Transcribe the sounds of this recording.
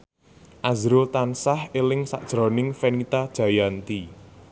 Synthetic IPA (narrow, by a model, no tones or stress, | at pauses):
ʔazɾot̪ansahelɪŋsa̰ʔd̥ʒ̥ɾɔ̤nɪŋfenit̪ad̥ʒ̥a̤jant̪i